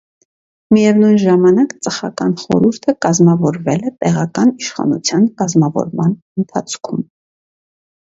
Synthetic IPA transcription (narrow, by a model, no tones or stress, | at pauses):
mijɛvnujnʒɑmɑnɑkt͡səχɑ̰kɑnχɔ̰ɾuɾt̪ʰəkɑzmɑvɔɾvɛlɛt̪ɛʁɑkɑniʃχɑ̰nṵt͡sʰjɑnkɑzmɑvɔ̰ɾmɑnənt̪ʰɑt͡sʰkʰum